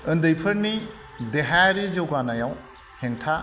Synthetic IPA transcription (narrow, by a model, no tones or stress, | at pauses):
ɯndɯjpʰɐɾni | deɦaɾizewɡanajaw | heŋtʰa